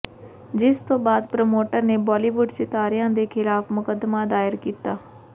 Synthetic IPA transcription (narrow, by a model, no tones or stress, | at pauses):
d͡ʒɪst̪õːbaːd̪pɾoːmoːʈəɾneːbaːliːʋʊɖsɪt̪aːɾɪjãːd̪eːkʰɪlaːfmʊkəd̪ːmaːd̪aːɪɾkiːt̪aː